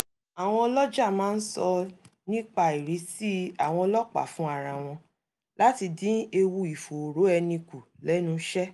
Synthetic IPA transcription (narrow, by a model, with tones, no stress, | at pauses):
a˨w̃ɔ̃˧ɔ˧lɔ˦d͡ʒa˦˨mãː˨˦n̩˦sɔ˧nĩ˦k͡pa˧i˨ɾi˨˦si˦a˨w̃ɔ̃˧ɔ˧lɔ˦k͡pa̰˨fũ˦a˦˨ɾa˨w̃ɔ̃˧ | la˦ti˧dĩ˦e˧wu˧i˨fo˨ɾo˨˦ɛ˧nĩ˧ku˨lɛ˨˦nũ˧ʃɛ˦